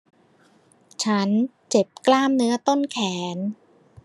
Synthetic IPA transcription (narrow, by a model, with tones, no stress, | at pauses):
t͡ɕʰa˦˥nt͡ɕe˨˩p̚klaː˥˩mnɯ˦˥ɐt̪o˥˩nkʰɛː˩˦n